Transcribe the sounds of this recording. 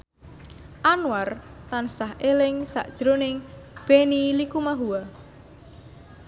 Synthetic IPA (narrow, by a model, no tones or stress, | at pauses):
ʔanwart̪ansahelɪŋsa̰ʔd̥ʒ̥ɾonɪŋb̥enilikumaɦua